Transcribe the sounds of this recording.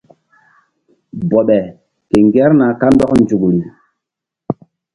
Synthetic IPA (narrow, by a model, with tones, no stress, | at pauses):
bɔ˨ɓɛ˨ | ke˨ŋɡɛ˦ɾna˨ka˦ndɔ˦knd͡ʒu˨ku˨li˨